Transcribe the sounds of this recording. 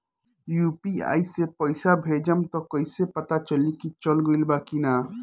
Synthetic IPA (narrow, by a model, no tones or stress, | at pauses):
juːpia̰ːisepəɪsabʱeːd͡ʒəmt̪ɔkəisepət̪at͡ʃəlikit͡ʃəlɡoilbaːkinaː